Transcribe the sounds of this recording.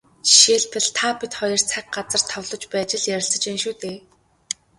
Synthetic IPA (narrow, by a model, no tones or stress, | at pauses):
ʃeːɮpɘ̆ɮt̪ʰapit̪χɔjɞ̆r̥t͡sʰæk̚ɢat͡sə̆r̥t̪ʰːɔwɮɞ̆t͡ɕpæːt͡ɕɪ̆ɮjæɾʲɪ̆ɮsə̆t͡ɕenʃuːt̪eː